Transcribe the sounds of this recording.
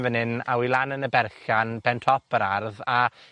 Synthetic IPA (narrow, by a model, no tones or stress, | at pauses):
vənɨna̰wilˠanənəbɛrɬanbɛntʰrɔpʰəɾarða